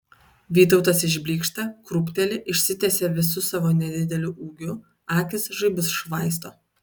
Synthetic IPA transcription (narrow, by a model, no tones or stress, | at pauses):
ʋʲiːt̪̬ɒʊt̪ɐsɪʒʲbʲlʲiːkʃt̪ɐkɾʊpʲt̪ʲɛlʲɪʔɪʃʲsʲɪt̪ʲɛsʲeːʋʲɪsʊsɑːʋoːnʲɛd̪ʲɪd̪ʲɛlʲʊʔuːɡʲʊ | ɑːkʲɪsʒɐɪbʲɪsʃʋɑˑɪst̪oː